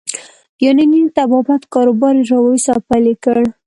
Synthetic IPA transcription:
joninint̪abɑbat̪kɑɾobɑɾʒawosɑpalekəɽ

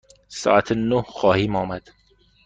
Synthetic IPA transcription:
sɒ̰ːʔæt̪ʰnohxɒːhiːmɒːmæd̪̥

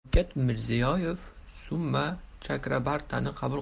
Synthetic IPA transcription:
kʲat̪mɪɾzijɒjefsʊmːat͡ʃʰakɾabaɾt̪ʰanɪqʰɑbʊlˠ

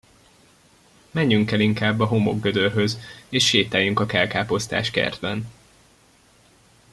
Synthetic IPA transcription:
mɛɲːyŋkɛliŋkaːbːɒɦo̞mo̞̰ɡːød̪ørɦø̞zeːʃːeːt̪aːjyŋkɒkɛlkaːpo̞st̪a̰ːʃkɛ̰rd̪bɛn

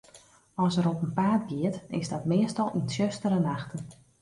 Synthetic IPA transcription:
ɔsəɾɔpənpaːt̚ɡiətɪ̰zdɔtmɪəstɔlˠʔinsjøstəɾənaxtən

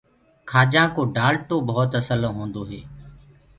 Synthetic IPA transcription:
kʰaːd͡ʒãːkoːɖaːlʈoːbɔːt̪əsələ̃ɦõːnd̪oːɦeː

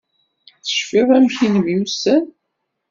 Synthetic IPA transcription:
θə̥ʃfiʁˤæmçinəmjusæn

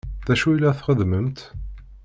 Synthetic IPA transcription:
ðæʃuilːæθχəðməmt̪

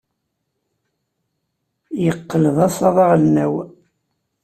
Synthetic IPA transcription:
jəqːələðˤɑsˤɑðˤɑʁənːæw

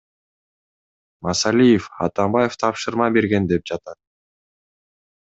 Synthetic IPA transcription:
mɑsɑlʲijefɑ̰t̪ɑmbɑjeft̪ʰɑpʃɯɾmɑbe̞ɾɡe̞nd̪e̞p̚d͡ʒɑt̪ɑt̪̚

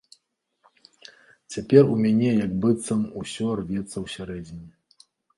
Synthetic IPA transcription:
t͡sʲapʲɛrumʲanʲɛjɐɡ̚bɨt̪sɐmusʲɔrvʲɛt̪sːɐwsʲaɾɛd͡zʲinʲi

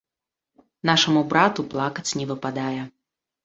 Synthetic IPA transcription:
naʂɐmubɾat̪uplˠakɐt͡sʲnʲɛvɨpad̪ajɛ

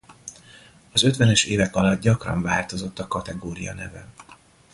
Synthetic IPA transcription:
ɒzø̞t̪vɛnɛʃeːvɛkɒlɒd̪̚ɟɒkrɒ̰ɱvaːlt̪o̞zo̞t̪ːɒkɒt̪ɛɡoːɾijɒ̰nɛvɛ̰

